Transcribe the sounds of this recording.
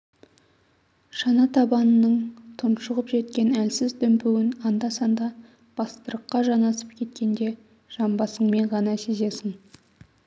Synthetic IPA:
ʃɑnɑt̪ʰɑbɑnənəɴt̪ʰʊnʃəʁəpʒe̞t̪kʲe̞nælsɪzd̪ɵmpuwɪnɑnd̪ɑsɑnd̪ɑ | b̥ɑst̪əɾəqːɑʒɑnɑsəp̚kʲʰe̞t̪̚kʲe̞nd̪e̞ | ʒ̥ɑmbɑsəɴme̞ɴʁɑnɑseze̞sɪŋ

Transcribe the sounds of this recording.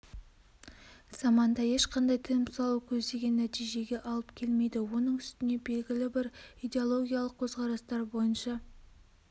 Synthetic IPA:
z̥ɑmɑnd̪ɑje̞ʃqʰɑnd̪ɑjt̪ʰɪɪmsɑlˠukʲʰɵzd̪e̞ɡʲe̞nːæt̪ijʒe̞ɡʲe̞ʔɑlˠəpkʲʰe̞lme̞jd̪ɪwo̞nəɴʏst̪ɪne̞be̞lɡʲɪlɪbɪɾijd̪e̞olˠo̞ɡʲijalˠəq̚kʲʰɵzʁɑɾɑst̪ɑɾbo̞jənʃɑ

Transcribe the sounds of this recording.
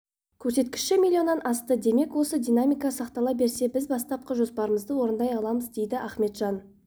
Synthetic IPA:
kʲʰɵɾse̞t̪kʲɪ̥ʃʃɪmilʲːio̞nːɑnʔɑst̪əd̪e̞me̞kwo̞səd̪ʲijnamʲijkɑsɑqt̪ɑlˠɑbe̞ɾse̞bɪzbɑst̪ɑp̚qəʒo̞spɑɾəməzd̪əwo̞ɾənd̪ɑjɑlˠɑməzd̪e̞jd̪ɪʔæχme̞t̪ʒ̥ɑn

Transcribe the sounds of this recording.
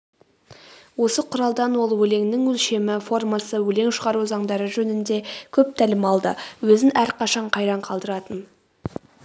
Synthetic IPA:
wo̞səqʰʊɾɑlˠd̪ɑnwo̞lˠwɵle̞ŋnɪŋwɵlʃe̞mɪfo̞rmɑsəwɵle̞ŋʃəʁɑɾuzɑɴd̪ɑɾəʒɵnɪnd̪e̞kʲʰɵp̚t̪ʰælɪmɑlˠd̪əwɵzɪnʔæɾqʰɑʃɑɴqʰɑjɾɑɴqʰɑlˠd̪əɾɑt̪ən

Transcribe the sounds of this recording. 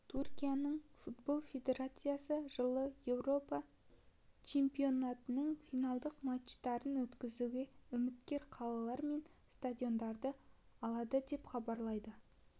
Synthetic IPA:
t̪ʰurkʲijanəɴfut̪̚bo̞lˠfʲe̞d̪ʲe̞ɾat̪sɨjasəʒəlˠəje̞wro̞pɑ | t͡ʃʰe̞mpijo̞nat̪ənəɴfijnɑlˠd̪əqmaʃt̪ɑɾənwɵt̪kʲɪzuɡʲe̞ʏmɪt̪kʲe̞ɾqʰɑlˠɑlˠɑɾme̞n | st̪ad̪ʲio̞nd̪ɑɾd̪ə | ɑlˠɑd̪əd̪e̞pχɑbɑɾlˠɑjd̪ə

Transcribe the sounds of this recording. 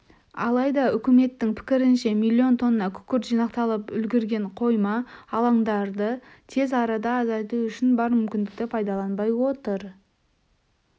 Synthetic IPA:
ɑ̰lˠɑjd̪ɑʏkʲɪme̞t̪ːɪŋpʰɪ̥kʲɪɾɪnʃe̞milʲːio̞nt̪ʰo̞nənɑkʲʰʏ̥kʲɪɾʒ̥ijnɑqt̪ɑlˠəpʏlɡʲɪɾɡʲe̞ɴqʰo̞jmɑɑlˠɑŋd̪ɑɾd̪ə | t̪ʰe̞zɑɾɑd̪ɑːzɑjt̪uʏʃɪnbɑɾmʏmkʲɪnd̪ɪk̚t̪ɪpʰɑjd̪ɑlˠɑnbɑjwo̞t̪əɾ

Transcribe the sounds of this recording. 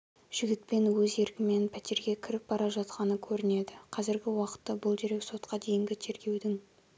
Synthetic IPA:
ʒ̥ɪɡʲɪt̪̚pe̞nwɵze̞ɾkʲɪme̞npʰæt̪e̞ɾɡʲe̞kʲʰɪɾɪp̚bɑɾɑʒɑt̪qɑnəkʲʰɵɾɪne̞d̪ɪqʰɑzɪɾɡʲɪwɑqə̥t̪ːɑbʊlˠd̪eɾe̞kso̞t̪qɑd̪e̞jɪŋɡʲɪt̪ʰe̞ɾɡʲe̞wd̪ɪŋ

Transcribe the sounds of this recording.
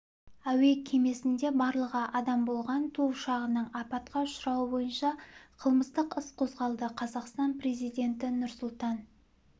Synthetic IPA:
æwe̞kʲʰe̞me̞sɪnd̪e̞bɑɾlˠəʁɑʔɑd̪ɑmbo̞lˠʁɑnt̪ʰuʃɑʁənəɴɑpɑt̪̚qɑʊʃʊɾɑwəbo̞jənʃɑqʰəlˠməst̪əqəsqʰo̞zʁɑlˠd̪əqʰɑzɑqst̪ɑnpre̞zijd̪e̞nt̪ɪnʊɾsʊlˠt̪ɑn

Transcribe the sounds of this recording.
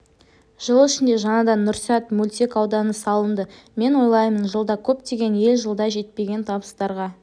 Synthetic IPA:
ʒ̥əlˠɪʃɪnd̪e̞ʒɑnɑd̪ɑnːʊɾsɑt̪mulʲt̪ekɑwd̪ɑnəsɑlˠənd̪ə | me̞nwojlˠɑjmənʒəlˠd̪ɑkʲʰɵpt̪e̞ɡʲe̞ne̞lʒəlˠd̪ɑʒe̞t̪̚pe̞ɡʲe̞nt̪ʰɑbəst̪ɑɾʁɑ

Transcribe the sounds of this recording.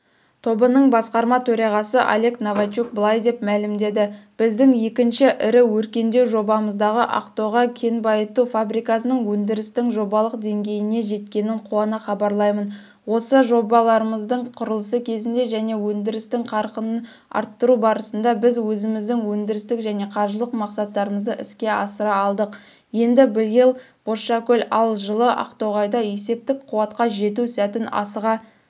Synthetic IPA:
t̪ʰo̞bənəɴbɑsqɑɾmɑt̪ʰɵɾɑʁɑsəʔa̰lʲe̞knovat͡ʃuk̚bəlˠɑjd̪e̞p̚mælɪmd̪e̞d̪ɪb̥ɪzd̪ɪŋje̞kʲɪnʃɪʔɪɾɪwɵɾkʲe̞nd̪e̞wʒo̞bɑməzd̪ɑʁəʔɑ̰qt̪o̞ʁɑkʲʰe̞nbɑjət̪ufabɾijkɑsənəɴwɵnd̪ɪɾɪst̪ɪŋʒo̞bɑlˠəqd̪e̞ŋɡʲe̞jɪne̞ʒe̞t̪kʲe̞nɪɴqʰuɑnəχɑbɑɾlˠɑjmən | wo̞səʒo̞bɑlˠɑɾəməzd̪əɴqʰʊɾəlˠəsəkʲʰe̞zɪnd̪e̞ʒæne̞wɵnd̪ɪɾɪst̪ɪŋqʰɑɾqənən | ɑ̰ɾt̪ːəɾubɑɾəsənd̪ɑbɪzwɵzɪmɪzd̪ɪŋwɵnd̪ɪɾɪst̪ɪkʒæne̞qʰɑɾʒəlˠəqmɑqsɑt̪ːɑɾəməzd̪əʔɪskʲe̞ɑsəɾɑːlˠd̪əq | je̞nd̪ɪbɪlɡʲelˠ | b̥oʃɑkʲɵlʲɑlˠʒəlˠəʔɑ̰qt̪o̞ʁɑjd̪ɑje̞se̞p̚t̪ɪkqʰʊwɑt̪qɑʒe̞t̪usæt̪ɪnɑ̰səʁɑ

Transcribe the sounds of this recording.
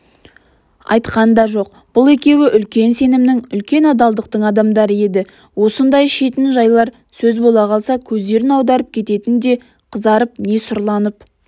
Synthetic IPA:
ɑ̰jt̪qɑnd̪ɑʒo̞q̚ | b̥ʊlˠe̞kʲe̞wɪʔʏlkʲe̞nse̞nɪmnɪŋʏlkʲe̞nɑd̪ɑlˠd̪əq̚t̪əɴɑd̪ɑmd̪ɑɾəe̞d̪ɪ | wo̞sənd̪ɑjʃe̞t̪ɪnʒɑjlˠɑɾ | sɵzbo̞lˠɑqʰɑlˠsɑkʲʰɵzd̪e̞ɾɪnɑwd̪ɑɾəp̚kʲʰe̞t̪e̞t̪ɪnd̪e̞ | qʰəzd̪ɑɾəp̚ne̞sʊɾlˠɑnəp̚

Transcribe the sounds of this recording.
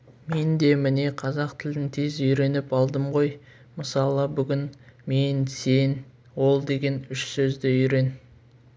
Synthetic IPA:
me̞nd̪e̞mɪne̞qʰɑzɑqt̪ʰɪld̪ɪŋt̪ʰe̞zʏjɾe̞nɪpɑlˠd̪əmʁo̞j | məsɑlˠəbʏɡʲɪnme̞nse̞n | wo̞lˠd̪e̞ɡʲe̞nʏʃsɵzd̪ɪʏjɾe̞n

